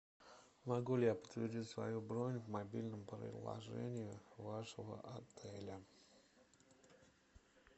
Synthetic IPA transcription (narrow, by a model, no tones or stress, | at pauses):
mɐɡulʲɪjapə̥t̪vʲɪrdʲitʲsvɐ̰jubɾonʲvmɐbʲilʲnəmpɾə̰ɪzlˠɐ̰ʐɛ̰nʲɪjʊvaʂəvə̰ʔɐt̪ɛlʲə